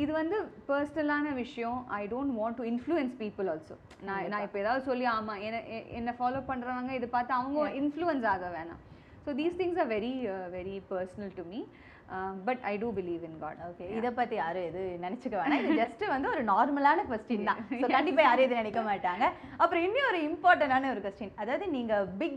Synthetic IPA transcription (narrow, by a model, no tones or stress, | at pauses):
ɪðɯʋɐnd̪ɯpɐɾsɐnɐlaːnɐʋɪʂɐjɔ̃ʔɐ̰ɪɖoːɳʈʋãːɳʈːuɪnfluɛnspiːpɪlɔːlso̰ː | nãːnãːɪpːoeːðaːðɯsɔlːiaːmaːɛnʔɛ̰nːɐfaːloːpɐɳːɾɐʋãːŋɡɐɪðɯpaːɾt̪ːãɐʋɐŋɡɐɪnfluɛns̬aːɣɐʋeːnã̰ː | soːd̪iːst̪ʰɪ̃ŋs̬aːɾʋɛɾiʋɛɾipɐːɾsnɐlʈumi | bɐʈɐ̰ɪɖuːbɪliːʋɪnɡa̰ːɖoːkeːɪðɐpaːt̪ːijaːɾɯɛðɯnɪnɛt͡ʃːɯkːɐʋaːnãːɪðɯd͡ʒɐsʈʋɐnd̪ɯɔɾɯnaːɾmɐlaːnɐkʋɛsʈɪnt̪ãːsoːkɐɳɖɪpːaːjaːɾɯɛðɯnɐnɛkːɐmaːʈːaːŋɡɐɐpːɾɔ̃ɪnːiɔɾɯɪmpaːɾʈɐ̃ɳaːnɯɔɾɯkʋɛsʈɪɐnɐðaːʋɐðɯniːŋɡɐbɪɡ